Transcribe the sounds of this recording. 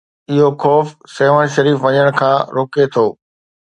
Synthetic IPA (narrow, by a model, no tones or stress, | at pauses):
ɪɦoxɔːfseːʋəɽ̃ʃɐɾiːfʋɐɲəɽ̃kʰãːɾoːket̪ʰoː